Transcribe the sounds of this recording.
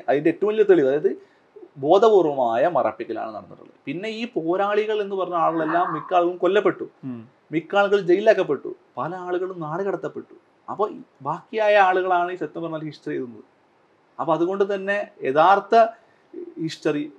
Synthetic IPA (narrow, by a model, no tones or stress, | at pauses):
ɐðindetːɐʋumilːɐt̪ːeɭiʋɐðaːjɐðɨ | bo̞ːd̪ʱɐpuːrʋɐmaːjɐmɐrɐ̰pːikːila̰ːɳɨnːɐ̰ɽɐnːṵɽːṵɭːɐ̰ðpinːe̞iːpo̞ːɾaːɭiɣɐɭe̞nːɨpɐrɐɲːuaːɭuɣɐɭe̞lːaːmːikːaːɭuɣɐɭumkolːɐpːe̞ʈːu | mikːaːɭuɣɐɭd͡ʑe̞jːilaːkːɐp̬ːe̞ʈːṵ | pɐlɐaːɭuɣɐɭumnaːɽkɐɽɐt̪ːɐpːe̞ʈːu̥ | ɐ̰pːobaːkːijaːjɐaːɭuɣɐɭaːɳɨiːset̪ːɐmbɐrɐnːɐlhiʂʈɐrijejɾunːɐðɨ | ɐpːoɐðuɣo̞ɳɖɨt̪̬ɐnːe̞jeðaːrt̪ɐ | hiʂʈɐri